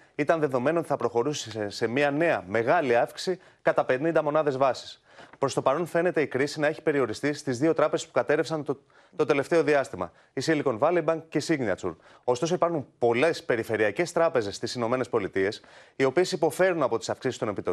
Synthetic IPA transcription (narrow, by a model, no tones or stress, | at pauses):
it̪ɐnðe̞ðo̞me̞not̪iθɐpɾo̞xo̞ɾusisse̞miɐne̞ɐme̞ɣɐliɐfksi̥si | kɐt̪ɐpe̞nind̪ɐmo̞nɐðe̞zvɐsi̥s | pɾo̞st̪o̞pɐɾo̞nfe̞ne̞t̪e̞ikɾisinɐe̞çi̥pe̞ɾio̞ɾist̪ist̪izðio̞t̪ɾɐpeze̞spu̥kɐt̪e̞ɾefsɐn | t̪o̞t̪e̞le̞ft̪e̞o̞ðiɐst̪imɐ̰ | isiliko̞nvɐlibɐŋɡcesiɣniɐ̰t͡sṵɾ | o̞st̪o̞so̞ipɐɾxunpo̞le̞spe̞ɾife̞ɾiɐce̞st̪ɾɐpe̞ze̞st̪isino̞me̞ne̞spo̞lit̪ie̞sio̞pie̞sipo̞fe̞ɾunɐpo̞t̪i̥sɐfksisist̪onepit̪o